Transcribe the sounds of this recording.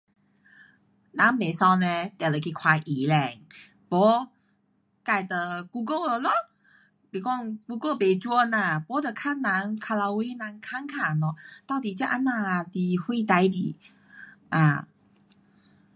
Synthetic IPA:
nã˨˦nme˨sɔ˧nɛ̃˧t̪ɛ˨˩lə˨˩kʰi˧kʰwa˧ʔi˨˦lɛ˧˩ŋ | pɔ˨˦ | ka˧˩jt̪ə˨ɡ̥u˧ɡə˥˧˨lə˧˦lɔ˧˦ | bi˨˩kɔ˥˧˨ŋɡ̥u˧ɡə˥˧˨be˨t͡ɕu˧˦nã˧˩˨pɔ˨˦d̪ə˨kʰa˥nnã˧˦nkʰa˧la˧wi˧˦nã˧˥nkʰa˧˥˨ŋkʰa˨˧˩nɔ˧˦t̪a˥˧˨t̪i˨˩t͡ɕa˥˧ʔa˧˥nːa˧˩t̪i˧hwi˥˧˨t̪a˧jd̪i˨˦ | ʔã̰˧˩

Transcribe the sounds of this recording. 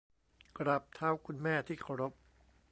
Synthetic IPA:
kɾa˨˩p̚t̪ʰa˦˥wkʰu˧nmɛː˥˩t̪ʰiː˥˩kʰa˧˩wɾo˦˥p̚

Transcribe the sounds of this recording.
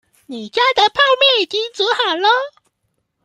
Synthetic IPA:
ni˨˩t͡ɕja˥d̪ə˨pʰa˥˧ʊmjɛ˥˩nt͡ɕ̪i˧˥ŋt͡su˧˥xa˨˩lə˧

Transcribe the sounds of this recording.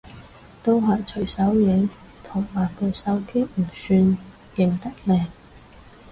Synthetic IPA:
t̪o˥wɦɐ˨˩jt͡ʃʰɵ˨˩ɥsɐ˨˥wjɪ˨˧˥ŋ | t̪ʰʊ˨˩ŋwaː˨˩nkɵ˨˩wsɐ˨˥wki˥m̩˨˩syː˧n | jɪ˨ŋt̪ɐ˥k̚lɛː˨˩ŋ

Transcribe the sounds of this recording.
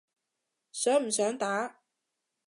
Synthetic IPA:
sœː˨˥ŋm̩˨˩sœː˨˥ŋt̪aː˨˥

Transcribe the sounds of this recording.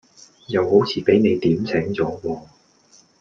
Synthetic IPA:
jɐ˨˧who˨˥wt͡sʰiː˨˩pe˨˥jne˨˧jt̪iː˨˥mt͡sʰɛː˨˥ŋt͡sɔː˨˥wɔː˧

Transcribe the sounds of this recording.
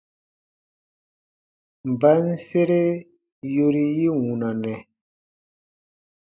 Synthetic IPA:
m̩˨ba˦n̩˦se˦ɾe˦ | jo˦ɾi˦ji˦wũ˨na˨nɛ˨

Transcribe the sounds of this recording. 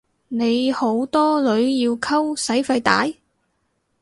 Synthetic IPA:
ne˨˧jho˨˥wt̪ɔː˥lɵ˨˧ɥjiː˧wkʰɐ˥wsɐ˨˥jfɐ˧jt̪a̰ː˨˥j

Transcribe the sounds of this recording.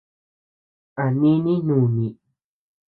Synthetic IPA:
a˨nĩ˦nĩ˦nũː˦˨nĩ˨

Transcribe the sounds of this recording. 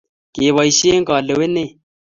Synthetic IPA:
kɪ˨βɔ˨i˨ʃe˦ŋ̩˦kɔ˨le˨we˦ne˦˨

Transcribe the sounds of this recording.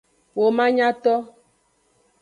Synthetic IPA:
wo˨mã˦ɲa˦tɔ˦

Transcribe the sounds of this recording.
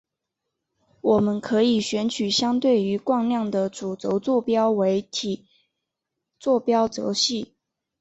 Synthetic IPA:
wɔ˨˩mə˦nkʰɤ˧˥i˨˩ɕɥɛ˧˥nt͡ɕʰy˨˩ɕjɑ˥ŋt̪we˥˩ɪy˧˥kwɑ˥˧ŋljɑ˥˩ŋd̪ə˨˩t͡su˨˩t͡so˧˥ʊt͡swɔ˥˩pjɑ˥ʊwe˧˥ɪt̪ʰi˨˩ | t͡swɔ˥˩pjɑ˥ʊt͡so̰˧˥ɕi˥˩

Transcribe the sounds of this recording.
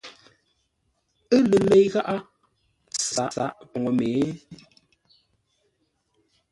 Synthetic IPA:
ə˦lə˨me˨jɣa˦ʔa˦ | sa̰˨ʔsa˨ʔpɔ˨ŋo˨meː˨˦

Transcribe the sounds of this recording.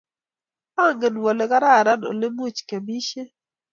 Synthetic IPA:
a˦˨ŋɡe˨nwo˨le˨ɡa˦ɾa˦˨ɾa˦no̰˨le˦mu˦t͡ʃke˨bi˦ʃe˦

